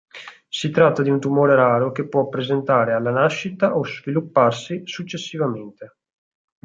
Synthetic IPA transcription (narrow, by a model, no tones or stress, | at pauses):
sit̪ɾat̪ːad̪iunt̪umoːɾeɾaːɾokepːwɔapːɾezent̪aːɾealːanaʃːit̪aʔozvilupːarsisut͡ʃːesːivament̪e